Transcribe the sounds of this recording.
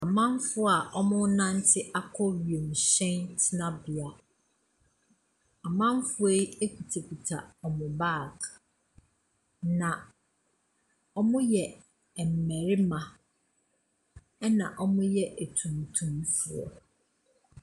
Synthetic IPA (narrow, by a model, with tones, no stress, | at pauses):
a˨mã˦m˦fʊ˦a˨ʔɔ˦mʊ̃˦nã˦n̩˦tʰɪ˦ʔa˦kʰɔ˦ɾɥi˨e˨m̩˨ɕɛ̃˦ntʰɪ˦nã˦bi˨a˨ | a˨mã˦m˦fʊ˦e˦i˦e˦kʰu˨tʰe˨kʰi˨tʰa̰˨ɔ˨mʊ̃˨baː˦˨k | nã˨ | ɔ˦mʊ̃˦jɛ˨ | m̩˨mæ˨ɾɪ˦mã˨ | ɛ˦nã̰˨ʔɔ˦mʊ̃˦jɛ˦ʔæ˨tʰũ˨m˨tʰũ˨mfu˨ɔ̰˨